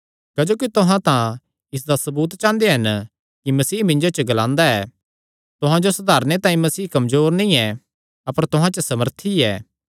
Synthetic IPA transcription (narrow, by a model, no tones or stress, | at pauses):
kɐd͡ʒoːkit̪ʊɦãt̪ã | ɪs̬d̪asɐbuːt̪t͡ʃãːnd̪eɦɐn | kimɐsiːmɪ̃ɲd͡ʒot͡ʃəɡɐlãːnd̪aɛː | t̪ʊɦãd͡ʒosɐd̪aːɾnet̪ãːĩmɐsiːkɐmzoːɾnĩɛ | ɐpəɾt̪ʊɦãt͡ʃəsɐməɾt̪ʰiɛː